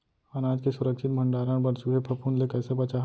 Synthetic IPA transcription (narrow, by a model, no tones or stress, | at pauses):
ɐnaːd͡ʒkesʊɾəkʃɪt̪̚mʱɐ̃ɳɖaːɾə̃ɽ̃bɐnsuɦepʰɐpuːnlekɛːsebɐt͡ʃaːɦ